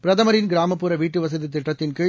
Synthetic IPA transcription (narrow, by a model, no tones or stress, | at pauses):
pɪɾɐðɐmɐɾɪnɡɪɾaːmɐpːuːɾɐʋiːʈːɯʋɐs̬ɐðit̪ːɪʈːɐt̪ːɪnkɯ